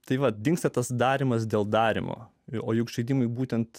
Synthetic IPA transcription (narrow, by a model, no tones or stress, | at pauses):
t̪ɐɪʋɐt̚d̪ʲɪŋkst̪ɐt̪ɐsd̪ɑːɾʲɪmɐs̬d̪ʲeːlˠd̪ɑːɾʲɪ̰mo̰ː | oːjukʃʲɛɪd̪ʲiːmʊɪbuːt̪ʲɛnt̪